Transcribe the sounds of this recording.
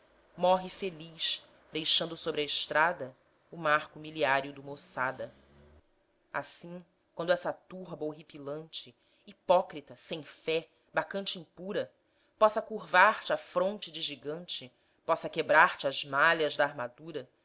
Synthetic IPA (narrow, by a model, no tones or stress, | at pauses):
mɔɦɪfeliʃ | d̪ejʃɐ̃nd̪ʊsobɾɪɐɪʃt̪ɾad̪ɐ | ʊmaχkʊmiliaɾjʊd̪ʊmosad̪ɐ | a̰sĩ | kwɐ̃nd̪ʊɛsɐt̪uɦbɐowɦipilɐ̃nt͡ʃɪ | ipɔkɾit̪ɐsẽj̃fɛ | bakɐ̃nt͡ʃɪĩpuɾɐ | pɔsɐkuɾvaɾt͡ʃɪafɾõnt͡ʃɪd͡ʒɪʒiɡɐ̃nt͡ʃɪ | pɔsɐkebɾaɾt͡ʃɪazmaʎɐʒd̪aːɾmad̪uɾɐ